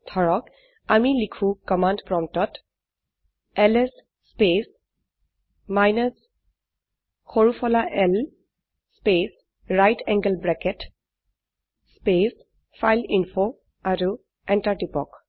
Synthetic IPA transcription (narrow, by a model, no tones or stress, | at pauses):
tʰɔɹɔk | amilikʰũkɔmandpɹɔmtɔt | ɛlɛsː | pes | majnas | xoɹufʰɔlaʔɛl | spes | ɹajtʰɛŋɡəlbɹɛkɛt | spes | fʰajlinfʰo | aɹu | ɛntaɹtipɔ̰k